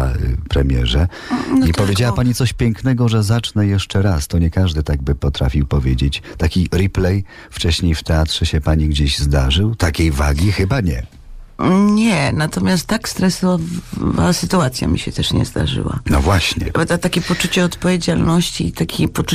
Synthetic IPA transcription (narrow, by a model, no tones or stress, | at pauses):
a̰pɾɛmʲjɛ̰ʐɛ | nipɔvʲjed͡ʑawapaɲit̪sɔɕpʲjɛŋknɛɡɔʐɛzat͡ʂnɛjɛʂt͡ʂɛɾast̪ɔɲɛkaʐd̪ɘt̪aɡ̚bɘpɔt̪ɾa̰fʲiwpɔvʲjed͡ʑet͡ɕt̪akʲiɾiplɛj | ft͡ʂɛɕɲejft̪ɛat̪ʂɛɕɛpaɲiɡd͡ʑeʑzd̪aʐɘwt̪akʲejvaɡʲixɘbaɲɛ̰ | ɲɛnat̪ɔmʲjast̪ːakst̪ɾɛsɔvva̰sɘt̪uat̪sʲja̰mʲḭɕɛt̪ɛʂɲɛ̰zd̪a̰ʐɘ̰wa̰nɔvwaɕɲɛ̰t̪at̪akʲɛpɔt͡ʂut͡ɕɛɔt̪pɔvʲjed͡ʑalnɔɕt͡ɕit̪akʲipɔt͡ʂu